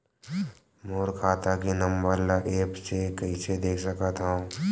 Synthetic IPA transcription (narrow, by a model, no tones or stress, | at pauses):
moːɾkʰaːt̪akinɐ̃mbəɾlaʔeːpsekɐised̪eːkʰsɐkat̪ɦaõː